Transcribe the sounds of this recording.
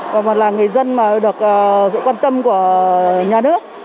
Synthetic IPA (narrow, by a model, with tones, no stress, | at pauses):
kɔː˨˩mɔː˨˩nlaː˨˩ŋɨ˨˩əjzə˧nmaː˨˩ɗɨ˨˩ək̚ʔəː˨˩sɨ̰˧˨kwaː˧nt̪ə˧mku˧˩əɲaː˨˩nɨ˦˥ək̚